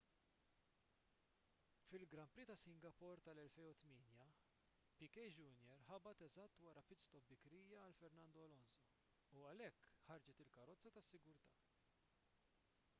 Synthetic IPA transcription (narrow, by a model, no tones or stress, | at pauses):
fɪlɡɾɐmpɾiːt̪ɐsɪŋɡɐpɔɾt̪ɐlɛlfɛjʊt̪mɪːnjɐ | pɪkɛjd͡ʒuːnjɛɾħɐbɐt̪ɛzɐt̪ːwɐɾɐpɪt͡st̪ɔbɪkɾiːjɐɐlfɛɾnɐnd̪ɔlɔnsɔ | uɐlɛkːħɐɾd͡ʒɛt̪ɪlkɐɾɔt͡sːɐt̪ɐsːɪɡʊɾt̪ɐː